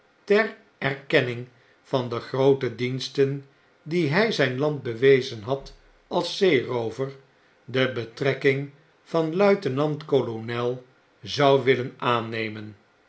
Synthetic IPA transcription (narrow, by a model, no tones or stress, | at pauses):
tɛr | ɛɹkɛnɪŋ | fɑndəχrowtədinstən | diɦɛjzɛjnlɑnt̚bəʋejzənɦɑt | ɑlˠsejrowvəɹ | dəbətrɛkɪŋ | vɑnlœɥtənɑntkolonɛlˠ | zɑwʋɪlənaːnejmən